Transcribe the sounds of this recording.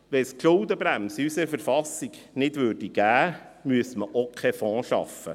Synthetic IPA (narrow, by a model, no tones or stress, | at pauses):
ʋɛskʃʊwd̪əbɾæmsysəfəɾfɑsiɡ | nɪdʋʏːɾd̥iɡ̥æː | myəsməʔokʰχɛfɔ̃ːʃɑ̰fə̰